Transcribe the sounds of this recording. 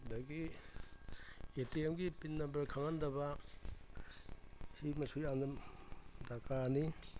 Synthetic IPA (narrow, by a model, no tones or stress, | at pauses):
daɡi | etiemɡipinːɐbɐɾkʰaŋɐndɐbɐ | himɐsʰujannɐmdakani